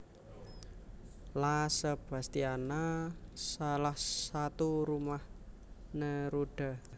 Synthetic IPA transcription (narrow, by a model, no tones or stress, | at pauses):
lasəb̥a̤st̪ianasalahsat̪uɾumah | nəɾuɖ̥a̤